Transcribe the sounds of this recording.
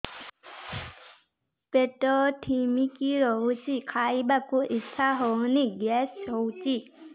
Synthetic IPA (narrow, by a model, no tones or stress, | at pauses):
peʈɔʈʰimikiɾɔɦusikʰajbakuʔiɕʰaɦowniɡɛsɔwt͡ʃi